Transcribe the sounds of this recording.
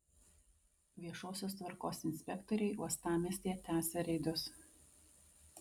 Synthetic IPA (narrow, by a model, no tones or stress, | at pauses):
ʋʲiɛʃoːsʲoːst̪ʋɐɾkoːsɪnʲsʲpʲɛkt̪ɔɾʲɛɪuɔst̪ɑːmʲisʲt̪ʲijɛt̪ʲæːsʲɛɾʲɛɪd̪ʊs